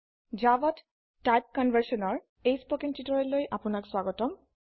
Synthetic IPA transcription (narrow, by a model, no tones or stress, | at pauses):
d͡ʒabɔt | tajp̚kɔnbʱaɹsɔnɔɹ | ejspokintitɔɹɔlojʔapʊnakswaɡɔtɔm